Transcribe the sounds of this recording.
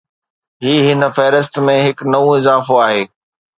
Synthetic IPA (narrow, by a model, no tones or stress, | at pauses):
ɦiːɦɪnə̆fɛɦɾɪst̪mẽɦɪknɐũɪzaːfoaːɦeː